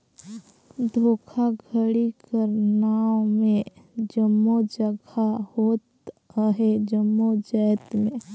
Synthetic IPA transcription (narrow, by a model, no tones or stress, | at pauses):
d̪ʱoːkʰaɡʱəɽikəɾnaːomẽd͡ʒəmːod͡ʒəɡʱahoːt̪ | ɦɛd͡ʒəmːod͡ʒəːt̪mẽ